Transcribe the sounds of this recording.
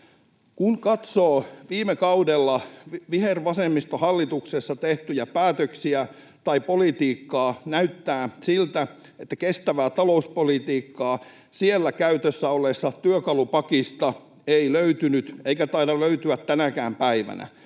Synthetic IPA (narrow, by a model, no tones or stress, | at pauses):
kunkɑt̪soːʋiːmekɑudelːɑʋiherʋɑsemːist̪ohɑlːit̪uksesːɑt̪eht̪yjæpæːt̪øksiæ | t̪ɑipolit̪iːkːɑːnæyt̪ːæːsilt̪æ | et̪ːækest̪æʋæːt̪ɑlouspolit̪iːkːɑː | sielːækæyt̪øsːæolːˑesːɑt̪yøkɑlupɑkist̪ɑ | eiløyt̪ynyt̪eikæt̪ɑidɑløyt̪yæt̪tːænækæːmpæiʋæ̰næ̰